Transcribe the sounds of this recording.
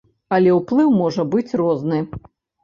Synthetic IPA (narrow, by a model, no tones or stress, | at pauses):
ɐlʲɛwplˠɨwmɔʐɐbɨt͡sʲrɔznɨ